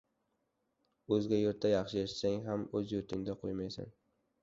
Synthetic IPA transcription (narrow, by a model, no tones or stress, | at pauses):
ɵzɡʲajoɾt̪ːajɑχʃɪeʃsaŋɦamɵzjoɾt̪ʰɪŋd̪aqʰojmajsa̰n